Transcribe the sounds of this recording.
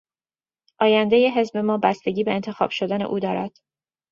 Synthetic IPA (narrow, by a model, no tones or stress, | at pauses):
ʔɒːjænd̪ejeɦe̞zbe̞mɒːbæst̪e̞ɟʲiːbe̞ːnt̪ʰe̞xɒ̰ːb̥ʃo̞d̪æne̞̰ʔuːd̪ɒːɾæd̪̥